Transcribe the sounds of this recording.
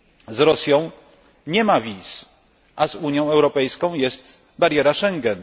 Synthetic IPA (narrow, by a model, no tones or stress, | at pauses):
zɾɔsʲjɔ̃w̃ | ɲɛmavʲis | ʔazuɲjɔ̃w̃ɛwɾɔpɛjskɔ̃w̃jɛst̪ | baɾjɛɾaʂɛŋɡɛn